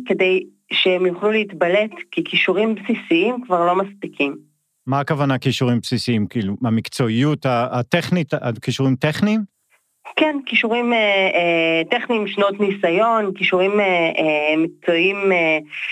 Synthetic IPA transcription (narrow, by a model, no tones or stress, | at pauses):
ke̞dej | ʃeemjuχluleit̪bale̞tkikiʃuʁimpsisiimkvaʁlo̞maspikʰim | maːkavanakiʃuʁimpsisiimkiːluamikt͡so̞ijutaateχnitakiʃuʁimteχnim | kenkiʃuʁime | teχniːmʃno̞t̪nisajo̞nkiʃuʁimeemik̚t͡so̞ime